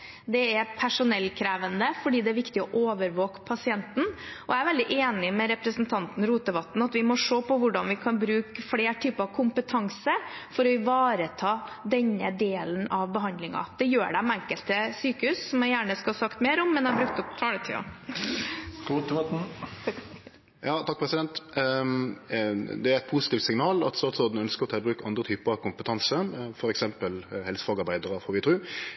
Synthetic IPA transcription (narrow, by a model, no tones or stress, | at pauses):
d̪ɛɛɾpʰæʂʊnɛlːkʰɾæːʋənd̪əfɔɖiːd̪ɛæɾʋɪkt̪ɪɔʔoːʋəɾʋoːkpʰɑsɪɛnt̪n̩ɔæɾʋɛld̪ɪʔeːnɪmɛɾɛpɾəsnt̪ʰɑnt̪n̩ɾuːt̪əʋɑt̪n̩ɑt̪ʋɪmɔʂoːpɔʋʊɖɑnʋɪkʰɑnbɾʉːkfleːʈʰyːpəɾɑʋkʰʊmpət̪ʰɑŋsəɾfɔɾɔɪʋɑːɾət̪ʰɑːd̪ɛɲːəd̪eːlənɑʋbəɦɑnd̪lɪŋɑ̰d̪̥ɛjøːɖæmæŋkəlt̪əsyːkəhʉːsːɔmæɪjæːɳəskɑɑsɑkt̪meːɾɔmːɛnæbɾʉk̚t̪ɔpt̪ʰɑːɽət̪ʰḭː | ɡ̥ut̪ːt̪n̩ | jɑːt̪ʰɑk̚pʰɾɛsɪd̪ɛnt̪ | d̪ɛæɾɛt̪̚pʰʊsɪt̪iːft̪sɪŋnɑːlɑ̰t̪st̪ɑːt̪sɔd̪n̩œnskəɾɔt̪ʰɛːbɾʉːkɑnd̪ɾət̪ʰyːpəɾɑʋkʰʊmpət̪ʰɑnsəfɔɾɛksɛmpəlhɛlsəfɑːɡɑɾbæɪd̪əɾəfɔːɾʋɪt̪ʰɾʉː